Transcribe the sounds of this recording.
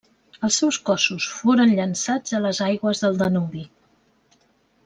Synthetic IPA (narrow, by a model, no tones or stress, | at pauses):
əlˠsɛwskɔsusfoɾənʎənsad͡zələzajɣwəzðəlˠd̪ənuβi